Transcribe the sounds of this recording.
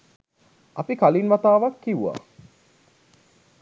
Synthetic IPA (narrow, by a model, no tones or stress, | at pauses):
ʔɐpikalinʋɐt̪aːʋɐkːiʋua̰